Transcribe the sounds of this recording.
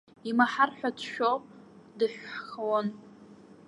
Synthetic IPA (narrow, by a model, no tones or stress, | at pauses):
imaħarħʷᶣatʰʃᶣopʼ | dɨħʷᶣχawan